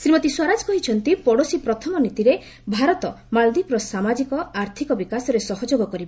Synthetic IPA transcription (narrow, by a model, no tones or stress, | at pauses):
sɾimɔt̪iswaɾad͡ʒkɔɦit͡ʃʰɔnt̪ipɔɽosipɾɔt̪ʰɔmɔnit̪iɾe | bʱaɾɔt̪ɔ | mald̪ipɾɔsamad͡ʒikɔaɾt̪ʰikɔbikasɔɾesɔɦɔd͡ʒoɡɔkɔɾibɔ